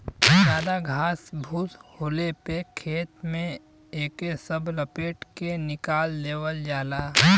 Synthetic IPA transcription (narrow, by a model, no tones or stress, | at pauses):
d͡ʒjaːd̪aɡʱaːsbʱuːshoːlepekʰeːt̪mẽ | eːkesəbləpeːʈkenɪkaːldeːwəld͡ʒaːlaː